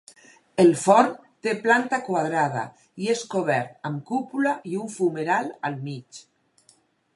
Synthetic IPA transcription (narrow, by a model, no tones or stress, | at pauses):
elfɔɾ | t̪eplant̪akwaðɾað̞a̰ | ieskoβɛɾt̪̚amkupulaiuɱfumeɾalalmit͡ʃ